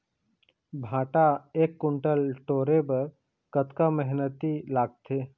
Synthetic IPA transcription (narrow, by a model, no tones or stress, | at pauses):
bʱãːʈaeːkːʊɳʈəlʈoːɾebəɾ | kət̪kaməɦnət̪ilaːɡ̚t̪eː